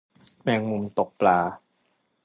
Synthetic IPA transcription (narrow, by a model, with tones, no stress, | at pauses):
mɛː˧ŋu˧mt̪o˨˩k̚plaː˧